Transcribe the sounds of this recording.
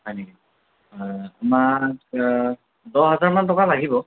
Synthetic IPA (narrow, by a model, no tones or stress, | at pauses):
ɦɔjneki | amak | dɔɦazaɹmantɔkalaɡibɔ